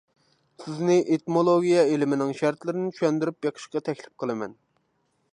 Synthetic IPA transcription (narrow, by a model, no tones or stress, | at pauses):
sɪznɪʔet̪molˠoɡʲijɑelɪmɪnɪŋʃæɾt̪lɪɾɪnɪt͡ʃʰyʃɛnd̪yɾypjɑqʰə̥ʃqɑt̪ʰɛkʲlɪ̥p̚qʰəlˠɨmɛ̰n